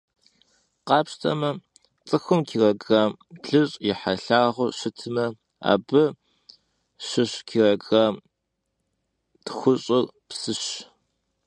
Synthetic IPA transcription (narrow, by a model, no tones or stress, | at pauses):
qɑːpʂtʰɐmɐ | t͡sʼɨxɨmkʰiːrɐɡɐɮɨɕʼjɪħaɬaːʁʷʊʃɨtʰɨmɐ | a̰ːbɨ | ʃɨɕkʰiːrɐɡɐ | txʷʊɕʼɨr | psɨɕ